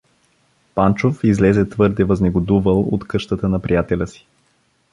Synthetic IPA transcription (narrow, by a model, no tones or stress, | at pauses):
pant͡ʃofizlɛzɛt̪vɤɾd̪ɛvəznɛɡod̪uvəlˠo̰t̪kɤʃt̪ət̪ənɐpɾijat̪ɛlʲəsi̥